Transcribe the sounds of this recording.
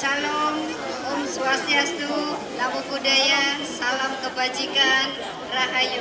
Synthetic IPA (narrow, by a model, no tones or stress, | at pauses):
salɔm | umsuasiast̪u | lamubudajasalamkəbad͡ʒikan | raɦaju